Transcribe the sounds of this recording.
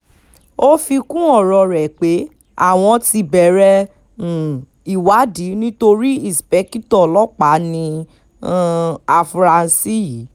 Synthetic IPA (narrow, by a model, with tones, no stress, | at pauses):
o˦fi˧kũ˦ɔ˦˨ɾɔ˧ɾɛ˨k͡pe˨˦ | a̰˦˨w̃ɔ̃˧ti˧bɛ˨ɾɛ˧˨ | i˨wa˨˦di˨˦nĩ˦to˧ɾi˦i˦˨spɛ˨˦ki˦tɔ˦˨lɔ˦k͡pa˨˦nĩ˧˦ | a˧fɾa˧n̩˨˧si˦ji˨˦